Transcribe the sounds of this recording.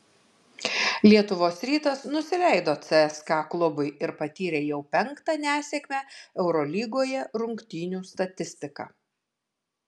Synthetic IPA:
lʲiɛt̪ʊʋoːsɾʲiːt̪ɐsnʊsʲɪlʲɛɪd̪oːt̪sʲɛɛskɑːklˠʊbʊɪɪɾpɐt̪ʲiːɾʲeːjɛʊpʲɛŋkt̪ɑnʲæːsʲɛːkʲmʲæɛʊɾɔlʲiːɡoːjɛɾʊŋkt̪ʲiːnʲuːst̪ɐt̪ʲɪsʲt̪ʲɪkɑ̰

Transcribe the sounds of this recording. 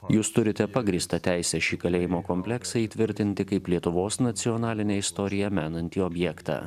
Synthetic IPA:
juːst̪ʊɾʲɪt̪ʲɛpɑɡɾʲiːst̪ɐt̪ʲæɪsʲɛʃʲiːkɐlʲeːjɪmoːkɔmʲpʲlʲɛksɐiːt̪ʲʋʲɪɾʲt̪ʲɪnʲt̪ʲɪkɐɪplʲiɛt̪ʊʋoːsnɐt̪sʲɪɔnɑːlʲɪnʲeːɪst̪ɔːɾʲɪjɛmʲæːnɐnʲt̪ʲiːɔbʲjɛkt̪ɑ̰ː

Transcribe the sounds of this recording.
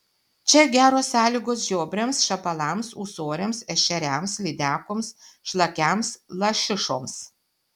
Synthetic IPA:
t͡ʃʲɛɡʲæːɾoːsːɑːlʲiːɡoːs̬ʒʲoːbʲɾʲemsʃɐpɐlˠɑmsuːsoːɾʲemsɛʃʲɛɾʲæmslʲid̪ʲæːkoːmsʃlˠɐkʲæmslˠɐʃʲɪʃoːms

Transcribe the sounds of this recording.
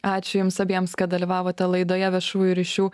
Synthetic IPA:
ɑːt͡ʃʲʊjʊmsɐbʲiɛmskɐt̪d̪ɐlʲiʋɑːʋoːt̪ʲɛlˠɐɪd̪oːjɛʋʲɛʃuːjʊɾʲiːʃʲuː

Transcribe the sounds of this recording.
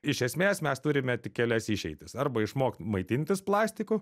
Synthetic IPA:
ɪʃʲɛsʲmʲeːsmʲɛst̪ʊɾʲɪmʲɛt̪ʲɪkʲɛlʲɛsɪʃʲɛɪt̪ʲɪsɐrbɐɪʃmoːkt̪mɐɪt̪ʲɪnʲt̪ʲɪsplˠɑːsʲt̪ʲɪkʊ

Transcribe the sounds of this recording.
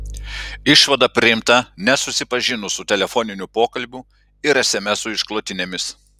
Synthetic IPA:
ɪʃʋɐd̪ɐpʲɾʲɪjɪmt̪ɐnʲɛsʊsʲɪpɐʒʲɪnʊsʊt̪ʲɛlʲɛfoːnʲɪnʲupoːkɐlʲbʲʊ | ɪɾɐsʲemʲɛsʊɪʃklˠoːt̪ʲɪnʲeːmʲɪs

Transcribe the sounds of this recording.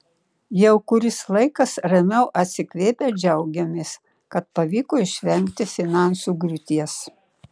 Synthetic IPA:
jɛʊkʊɾʲɪslˠɐɪkɐsɾɐmʲɛʊʔɐt̪ʲsʲɪkʋʲeːpʲeːd͡ʒʲɛʊɡʲɛmʲeːs | kɐt̪̚pɐʋʲiːkoɪʃʲʋʲɛŋʲkt̪ʲɪfʲɪnɑˑnsuːɡɾʲʊt̪ʲiɛs

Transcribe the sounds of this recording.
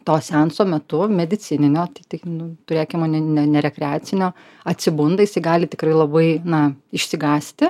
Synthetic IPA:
t̪oːsʲɛnsoːmʲɛt̪ʊmʲɛd̪ʲɪt͡s̪ʲɪnʲɪnʲoːt̪ʲɐɪt̪ʲɪknʊt̪ʊɾʲeːkʲɪmoːnʲɛnʲɛnʲɛɾʲɛkɾʲɛaːt͡s̪ʲɪnʲoː | ɐt̪ʲsʲɪbʊnd̪ɐjɪsɐɪɡɑːlʲɪt̪ʲɪkrɐɪlˠɐbɐɪnɐɪʃʲsʲɪɡɑːsʲt̪ʲɪ

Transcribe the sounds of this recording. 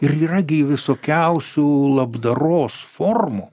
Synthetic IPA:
ɪɾiːrɐɡʲɪʋʲɪsoːkʲɛʊsʲulˠɐbd̪ɐɾoːsformu

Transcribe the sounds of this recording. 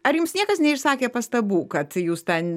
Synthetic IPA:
ɐɾjʊmsnʲiɛkɐsnʲɛɪʃsɑːkʲeːpɐst̪ɐbuːkɐt̪juːst̪ʲɛn

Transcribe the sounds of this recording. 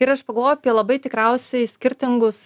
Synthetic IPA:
ɪɾɐʃpɐɡɐlˠʋoːjʊɐpʲiɛlˠɐbɐɪt̪ʲɪkɾɛʊsʲɛɪsʲkʲɪɾʲt̪ʲɪŋɡʊs

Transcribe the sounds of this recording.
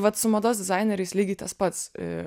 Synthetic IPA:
ʋɐt̪sʊmɐd̪oːsʲd̪ʲɪzɑɪnʲɛɾʲɛɪslʲiːɡʲɪt̪ɐspɐt̪s

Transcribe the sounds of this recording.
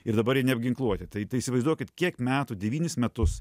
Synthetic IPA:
ɪɾd̪ɐbɐɾjiɛnʲɛbʲɡʲɪŋklˠuɔt̪ʲɪt̪ɐɪt̪ɐɪisʲɪʋɐɪzd̪uɔkʲɪt̪kʲiɛkmʲæːt̪uːdʲɛʋʲiːnʲɪsmʲɛt̪ʊs

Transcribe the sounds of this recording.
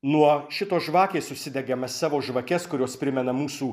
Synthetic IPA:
nuɔʃʲɪt̪oːsʒʋɑːkʲeːssʊsʲɪd̪ʲɛɡʲɛmɐssɑːʋoːʒʋɐkʲɛskʊɾʲoːspʲɾʲɪmʲɛnɐmuːsuː

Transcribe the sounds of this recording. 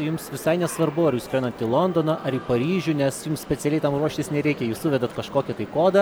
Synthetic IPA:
jʊmsʋʲɪsɐɪnʲɛsʋɐrbʊɐɾjuːskʲɾʲɛnɐt̪ʲɪlˠond̪oːnɐʔɐɾiːpɐɾʲiːʒʲuːnʲɛsjʊmssʲpʲɛt̪sʲɛlʲɛɪt̪ɐmruɔʃʲt̪ʲɪsnʲɛɾʲɛɪkʲɛjuːsʊʋʲɛd̪ɐt̪kɐʃkoːkʲɛt̪ɐɪkoːd̪ɐ

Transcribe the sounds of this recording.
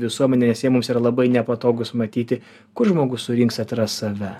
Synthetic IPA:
ʋʲɪsuɔmʲɛnʲɛnʲɛsjɛmʊmsiːɾɐlˠɐbɐɪnʲɛpɐt̪oːɡʊsmɐt̪ʲiːt̪ʲɪ | kʊɾʒmoːɡʊssʊɾʲɪŋksɐt̪ɾɐssɐʋʲɛ

